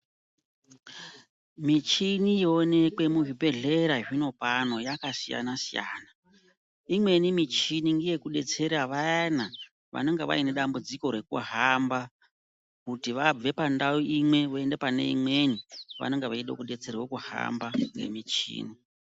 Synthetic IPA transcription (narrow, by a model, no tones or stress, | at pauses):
mit͡ʃinijone̞kwe̞muʐibe̞ɮe̞ɾaʐino̞pano̞jakasija̰nasija̰ːna | imwe̞nimit͡ʃiniŋɡije̞kuɗe̞t͡se̞ɾaʋaana | ʋa̰no̞ŋɡeʋa̰ine̞ɗambud͡ziko̞ɾe̞kṵɦamba | kutiʋab͡ve̞pandauʔimwe̞ʋoe̞nde̞pane̞̰ḭmwe̞niʋa̰no̞ŋɡeʋaiɗo̰kuɗe̞t͡se̞rwokuha̰mbaŋɡḛmit͡ʃḭːni